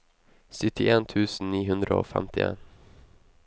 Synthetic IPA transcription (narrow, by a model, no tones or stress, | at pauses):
sʏt̪ʰːɪʔeːnt̪ʰʉːsn̩niːɦɵnd̪ɾəo̰ːfɛ̰mt̪ɪḛːn